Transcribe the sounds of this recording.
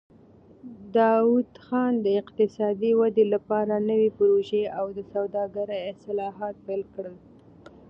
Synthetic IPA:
d̪ɑwud̪xɑnd̪əɪqt̪ɪsɑd̪iwad̪elapɑɾanəwepʊɾoʒeawd̪əsawd̪ɑɡaɾajɪsɪlɑɦɑt̪̚pajlkɽəl

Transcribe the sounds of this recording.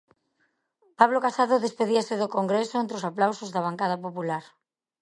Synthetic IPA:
paβlokasaðoðespeðiasɪðokoŋɡɾesoent̪ɾosaplawsozðɐβ̞aŋkað̞ɐpopulaɾ

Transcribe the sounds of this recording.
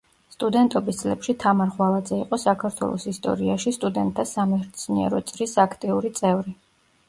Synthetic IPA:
st̪ʼud̪ɛnt̪ʼɔbisd̪zʼlɛpʃit̪ʰamaɾʁwalˠad̪zɛiqʼɔsakʰaɾt̪ʰwɛ̰lˠɔ̰sist̪ʼɔ̰ɾiaʃist̪ʼud̪ɛnt̪ʼʰːasamɛɾt̪sʰniɛ̰ɾɔ̰t̪sʼɾisakʰt̪ʼiuɾit̪sʼɛvɾi

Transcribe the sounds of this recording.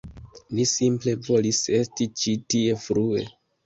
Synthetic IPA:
lisimple̞vo̞lise̞stit͡ʃitie̞fɾue̞̰

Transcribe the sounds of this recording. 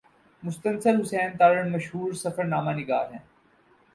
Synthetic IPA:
mʊst̪ənsəlɦʊsɛːnt̪aːɾəɳmɐʃɦuːɾsɐfəɾnaːmanɪɡaːɾɦɛ̃ː

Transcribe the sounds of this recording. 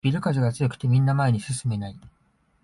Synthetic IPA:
b̥ʲiɾɯ̟kaʑiɡat͡sɨjo̞kɯ̟̥t̪e̞mʲĩnːamae̞ɲ̟isɨsɨme̞nai

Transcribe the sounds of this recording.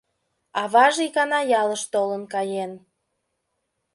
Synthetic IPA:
ɑβɑʒikɑnɑjɑləʃt̪olənkɑjen

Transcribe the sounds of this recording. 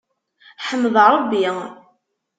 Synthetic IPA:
ħəmːəðˤɾˤəbːi

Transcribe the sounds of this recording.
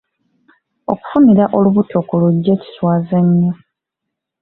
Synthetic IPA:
o̰ku̥funiɾaʔo̞luβutʰo̞kuluɟːe̞ːci̥swaːzeɲːo

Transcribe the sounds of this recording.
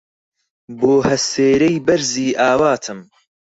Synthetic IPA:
boːhɐseːɾejbɐɾziːʔaːwaːt̪ʰɨm

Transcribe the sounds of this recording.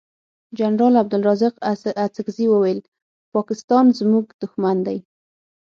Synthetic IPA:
d͡ʒanɾɑlab̚d̪ʊlɾɑzɪqat͡sɪɡziwəwajl | pɑkɪst̪ɑnzmuɡd̪̥ʊxmand̪aj

